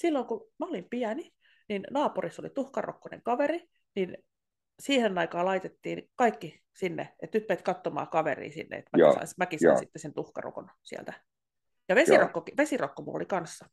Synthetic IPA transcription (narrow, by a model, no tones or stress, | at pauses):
silːoŋkumæolimpiæni | ninnɑːpurisːo̰lit̪uhkɑro̰kːonḛŋkɑʋeri | nin | siːhenːɑikɑːlɑit̪et̪ːiːnkɑikːi | sinːḛet̪ypːeːt̪kɑt̪ːomɑ̰ːkɑʋḛrḭːsḭnːḛḛt̪mæḭsɑ̰ːsmækisɑ̰sit̪ːesent̪uhkɑ̰ro̰ko̰nsiæ̰lt̪æ | jɑʋesirokːokiʋesirokːomṵo̰likɑnsːɑ